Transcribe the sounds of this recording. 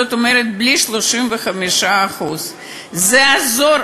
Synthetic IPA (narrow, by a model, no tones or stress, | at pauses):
ot̪omeɾet̪̚bliʃlo̞ʃimveχamiʃaːχuz | zeazo̞ɾ